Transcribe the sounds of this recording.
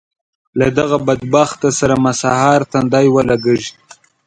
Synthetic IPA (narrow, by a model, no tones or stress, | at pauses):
lad̪aɣabad̪baxt̪asaɾamasɑhɑɾt̪and̪ɑjwəlaɡəʒ